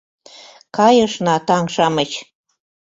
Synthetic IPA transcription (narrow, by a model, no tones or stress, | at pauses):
kɑjə̆ʃnɑt̪ɑŋʃɑmət͡ɕ